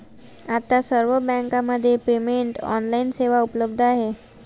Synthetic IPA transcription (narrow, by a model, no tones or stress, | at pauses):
at̪asəɾʋəbə̃ŋkaməd̪ʱːjepemeɳʈɔ̰nlainseʋaupləb̚d̪ʱaɦe